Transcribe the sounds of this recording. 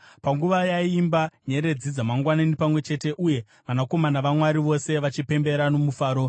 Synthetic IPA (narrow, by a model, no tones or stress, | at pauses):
paŋɡuʋajaimbaɲe̞ɾe̞d͡zid͡zamaŋɡwananipamwe̞t͡ʃe̞te̞ʔuje̞ | ʋanako̞manaʋamwaɾiʋo̞se̞ʋat͡ʃipe̞mbe̞ɾano̞mufaːɾo̞